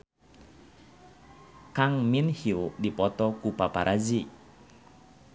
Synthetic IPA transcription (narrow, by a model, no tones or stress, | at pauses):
kaŋminhiudipɔt̪ɔkupapaɾʔad͡ʒi